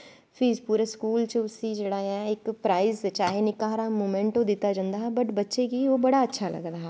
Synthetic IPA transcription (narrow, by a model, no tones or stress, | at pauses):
fʰɪɾpuːɾeskuːlt͡ʃəʊsid͡ʒeːɽaːjãːɪkpɾaːɪzt͡ʃaːɦenɪkaːɾamoːmɛ̃ɳʈõd̪ɪt̪ad͡ʒãːnd̪aːɦbəʈbətːʃekiːobəɽaətːʃʰaːlə̰ɡɾaːɦɛ